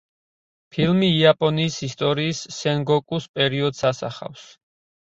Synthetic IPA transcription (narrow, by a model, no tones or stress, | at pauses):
pʰilˠmiːapʼɔniːsist̪ʼɔɾiːsːɛŋɡɔkʼuspʼɛɾiɔd̪sasa̰χa̰fs